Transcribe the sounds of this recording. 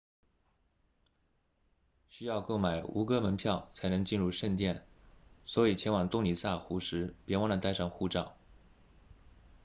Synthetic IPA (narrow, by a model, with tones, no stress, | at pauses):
ɕy˥jɑ˥˧ʊko˥˩ʊma˨˩ɪṵ˧˥kɤ˥mə˧˥npʰjɑ˥˩ʊt͡sʰa˧˥ɪnɤ˧˥ŋt͡ɕi˥˧nɻu˥˧ʂə˥˧nt̪jɛ˥˩nswɔ˧˥i˨˩t͡ɕʰjɛ˧˥nwɑ˨˩ŋt̪ʊ˥˩ŋli˨˩sa˥˩xu˧˥ʂɻ̩˧˥pjɛ˧˥wɑ˥ŋlə˧˥t̪a˥˧ɪʂɑ˥˩ŋxu˥˧ʈ͡ʂɑ˥˩ʊ